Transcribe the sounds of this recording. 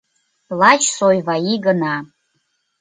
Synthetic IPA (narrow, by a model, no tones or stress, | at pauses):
lat͡ʃʰsojvaiɡəna